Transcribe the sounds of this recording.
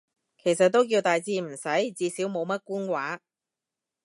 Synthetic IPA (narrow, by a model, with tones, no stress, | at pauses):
kʰe˨˩jsɐ˨t̚t̪ːo˥wkiː˧wt̪aː˨jt͡siː˧m̩˨˩sɐ˨˥jt͡siː˧siː˨˥wmo˨˧wmɐ˥t̚kuː˥nkwaː˨˥